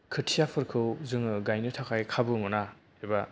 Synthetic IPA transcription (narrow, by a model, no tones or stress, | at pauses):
kʰɯtʰijapʰɯɾkʰɯwzɯŋɯɡajnɯtʰakʰajkʰabɯmɯna | eba